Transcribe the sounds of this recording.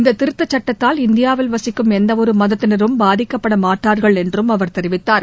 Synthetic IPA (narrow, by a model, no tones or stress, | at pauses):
ɪnd̪ɐtt̪ːɪɾɯt̪ːɐt͡ʃːɐʈːɐt̪ːaːlɪnd̪ɪjaːʋɪlʋɐsɪkːɯmɛnd̪ɐɔɾɯmɐðɐt̪ːɪnɐɾɯmbaːðɪkːɐpːɐɽɐmaːʈːaːɾɣɐɭɛndrɯmɐʋɐɾt̪ɛɾɪʋɪt̪ːaːɾ